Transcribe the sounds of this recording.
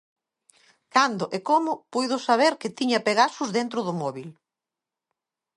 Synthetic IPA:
kand̪ʊʔekomʊpujðʊsaβ̞eɾkɪt̪iɲɐpeɣasʊzðent̪ɾʊðʊmɔβil

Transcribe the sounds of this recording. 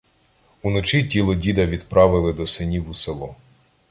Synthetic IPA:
unɔt͡ʃitʲilˠɔdʲid̪ɐʋʲid̪pɾɑʋɪlˠɪd̪ɔsɪnʲiwuselˠɔ

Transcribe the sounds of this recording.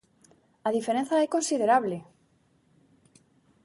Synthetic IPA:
aðifeɾẽn̟θaekonsiðeɾaβle

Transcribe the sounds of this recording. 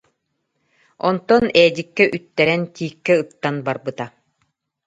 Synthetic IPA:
ɔnt̪ɔnɛːd̪ikːɛʔyt̪ːɛɾɛnt̪iːkːɛɯt̪ːanbaɾbɯt̪a

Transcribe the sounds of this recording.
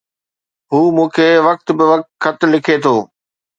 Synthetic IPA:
ɦuːmũːkʰeːʋɐk̚t̪bɪʋɐk̚t̪xɐt̪̆lɪkʰet̪ʰoː

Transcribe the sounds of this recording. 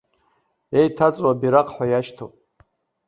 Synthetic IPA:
ejtʰat͡sʼwabiɾaqʰʼħʷajaʃtʰo̰pʼ

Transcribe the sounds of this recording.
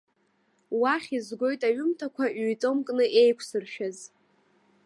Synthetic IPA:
waχʲizɡʷo̞jtʼaɥʊmtʰakʷʰaʔɥjt͡sʼɨmkʼnɨʔe̞jkʷʰsɨrʃᶣaz

